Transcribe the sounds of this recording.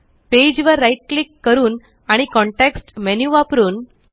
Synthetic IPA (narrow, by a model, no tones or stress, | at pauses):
ped͡ʑʋəɾːajʈ̚klikːəɾuːn | aɽ̃ikɔ̃ɳʈeksʈmɛnjuʋapɾuːn